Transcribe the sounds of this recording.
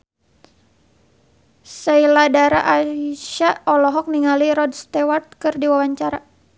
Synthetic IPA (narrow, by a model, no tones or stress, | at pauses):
səiladaɾaʔaʃaɔlɔɦɔk̚niŋaliɾɔdst̪ɛwart̪̚kɨrdiwawaɲt͡ʃaɾa